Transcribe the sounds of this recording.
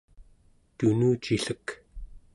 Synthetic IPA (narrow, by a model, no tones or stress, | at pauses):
t̪unuːt͡ʃiɬək